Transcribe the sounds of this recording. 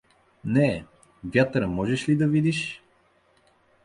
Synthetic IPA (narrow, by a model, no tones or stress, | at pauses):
nɛ | vʲjat̪ɾəmɔʒɛʃlid̪ɐvid̪iʃ